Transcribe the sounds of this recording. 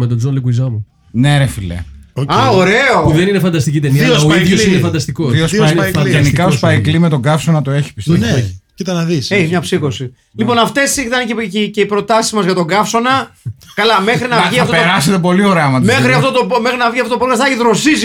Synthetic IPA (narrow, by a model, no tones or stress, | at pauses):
met̪od͡zonlikuizɐmu | neɾefilḛoɐoɾe̞opuðeninefɐnd̪ɐst̪icit̪emiɐoiðjosinefɐnd̪ɐst̪ikosiosɐʝenikɐospɐiklimet̪o̞ɡɐfsonɐt̪oeçi̥pi̥s | it̪ɐnɐðiseçimɲɐpsiko̞si | lipo̞nɐft̪e̞sit̪ɐnceciceipɾo̞t̪ɐsizmɐzʝɐt̪o̞ɡɐfso̞nɐkɐlɐmexɾinɐvʝiɐft̪opeɾɐset̪epo̞lioɾeɐmɐt̪ɐmexɾiɐft̪ot̪oomexɾinɐvʝiɐft̪ot̪opokɐsθɐʝiðɾo̞siz